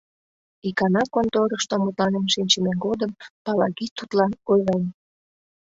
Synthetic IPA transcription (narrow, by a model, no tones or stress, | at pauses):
ikɑnɑkont̪oɾəʃt̪omut̪lɑnemʃinʲt͡ɕəmenɡod̪əmpɑlɑɣit̪ːut̪lɑnojʁen